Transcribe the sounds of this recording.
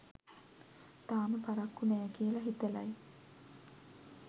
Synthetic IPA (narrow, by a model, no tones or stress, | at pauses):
t̪aːməpaɾakːunɛːkiəlaɦit̪ela̰j